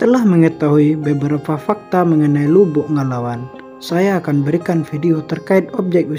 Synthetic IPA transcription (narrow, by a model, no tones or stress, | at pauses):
t̪əlahməŋət̪aɦuibəbəɾapafak̚t̪aməŋənailubʊʔŋalawan | sajaːkanbəɾikanfidiot̪ərkaɪt̪̚ɔp̚d͡ʒɛk̪̚i